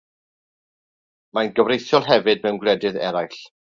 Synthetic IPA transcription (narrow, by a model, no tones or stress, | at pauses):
manɡəvrejθjɔlˠɦɛvɨd̚mɛwnɡlˠɛdɨðɛ̰ɾajɬ